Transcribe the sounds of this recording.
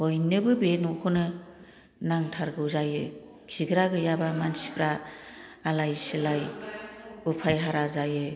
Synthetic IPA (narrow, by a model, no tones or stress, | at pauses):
hojnɯbɯbenukʰonɯ | naŋtʰaɾɡɯwzajɯ | kʰiɡɾaɡɯjabamansi̥bʰɾaː | lajsilaj | upʰajɦaɾazajɯ